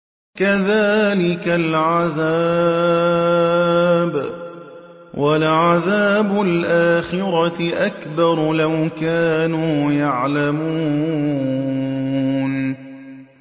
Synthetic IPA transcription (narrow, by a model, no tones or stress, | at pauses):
kaðaːlɪkalʕaðaː | b | wʔalʕaðaːbʊlʔaːxɪɾˤɑʔakbɑɾˤlawkaːnuːjaʕlamuː | n